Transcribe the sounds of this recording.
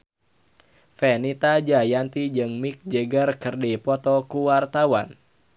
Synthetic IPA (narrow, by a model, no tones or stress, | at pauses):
fɛnit̪ad͡ʒajant̪id͡ʒɨŋmik̚d͡ʒeɡərkɨrdipɔt̪ɔkuwart̪awan